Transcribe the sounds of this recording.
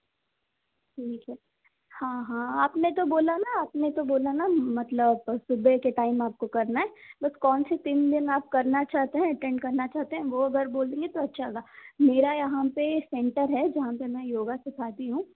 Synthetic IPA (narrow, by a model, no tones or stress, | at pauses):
ʈʰiːkɦɛː | hãːɦãːaːpnet̪oboːlanaaːpnet̪oboːlanamɐt̪ləbsʊbʱekeʈaːɪmaːp̚kokɐɾnaɦɛːbɐskɔːnset̪iːnd̪ɪnaːp̚kɐɾnat͡ʃaːɦt̪eɦɛ̃ɐʈɛ̃ɳɖkɐɾnat͡ʃaːɦt̪eɦɛ̃ʋoɐɡəɾboːld̪ẽːŋɡet̪oɐtːʃʰaɦɡaːmeːɾajɐɦãpesɛ̃ɳʈəɾɦɛd͡ʒɐɦãpemɛ̃joːɡasɪkʰaːt̪iɦũː